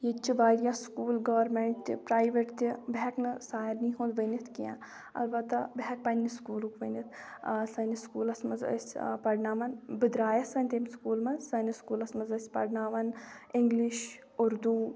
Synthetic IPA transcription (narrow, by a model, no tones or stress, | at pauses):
jet͡ʃʰiʋaːɾjãskuːlɡɐʋɐɾmeɳʈt̪ipɾaːjʋeʈt̪ʲibeɦɛknɨsaːɾniɦũːnd̪ʋənit̪ʰkijã̰ː | ɐ̰lbɐt̪ːɐbeɦɛk̚pɐnːiskuːlukʋənit̪ʰ | sɐniskuːlɐsmɐzɐ̰sʲpɐɾnaːʋɐnbɨd̪ɾaːjɐsɐnʲt̪eːmskuːlmɐnsɐniskuːlɐsmɐzɐsʲpɐ̰ɾnaːʋɐnɪŋɡliʃ | ʊɾd̪uː